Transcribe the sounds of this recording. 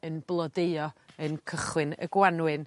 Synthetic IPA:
ənblˠɔdeɨɔənkʰəχwɨnə̰ɡwanwɨn

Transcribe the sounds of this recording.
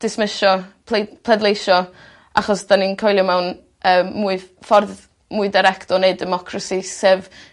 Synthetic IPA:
d̥ɪsmɪʃɔpʰepʰlˠɛdlˠejʃɔ | ʔaχɔsd̥aninkʰojlˠɪmɛwn | əːuɨfɔrð | muɨdaɾɛktɔnejdɛmɔkʰrasisev

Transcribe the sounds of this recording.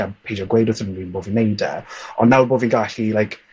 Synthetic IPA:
apʰejd͡ʒɔɡwejdəθənəniːnboːvinejdɛ̰ɔ̰nːawboːviɡaɬilajkʰ

